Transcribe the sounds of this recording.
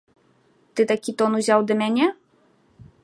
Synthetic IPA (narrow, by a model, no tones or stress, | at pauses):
t̪ɨt̪akʲit̪ɔnuzʲawd̪ɐmʲanʲɛ